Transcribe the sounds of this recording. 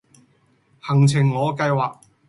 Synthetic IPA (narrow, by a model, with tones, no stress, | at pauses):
hɐ˨˩ŋt͡sʰɪ˨˩ŋːɔː˨˧kɐ˧jwaː˨k̚